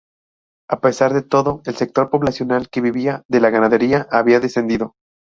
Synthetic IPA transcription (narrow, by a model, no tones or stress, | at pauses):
ape̞saɾðe̞t̪o̞ðo̞else̞k̚t̪o̞ɾpo̞βlasjo̞nalke̞βiβiaðe̞laɣanaðe̞ɾiaʔaβiaðe̞se̞nd̪iðo̞